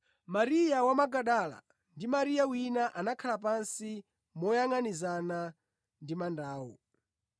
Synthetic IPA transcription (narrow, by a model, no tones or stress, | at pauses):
maɾijawamaɡaɗala̰ | ndimaɾijawinaʔanakʰalap̬ansi | mɔjaŋanizana | ndimandaːwɔ̰